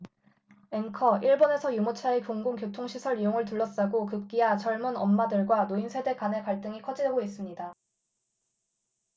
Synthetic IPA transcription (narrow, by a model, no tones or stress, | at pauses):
e̞ŋkʰʌʔiɭbone̞sʰʌjumot͡ɕʰaekoŋɡuŋkjotʰoŋɕʰisʰʌɭɥijoŋɯɭt̬uɭːʌs͈aɡokɯp̚k͈iat͡ɕʌɭmunʌmːadɯɭɡwanoinsʰe̞de̞kanɦe̞kaɭt͈ɯŋikʰʌd͡ʑideɡois͈ɯmɲida